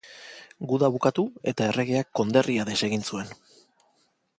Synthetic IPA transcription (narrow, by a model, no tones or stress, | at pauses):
ɡuðaβukat̪ue̞t̪ae̞re̞ɣe̞akːo̞nd̪e̞riaðe̞se̞ɣinsue̞n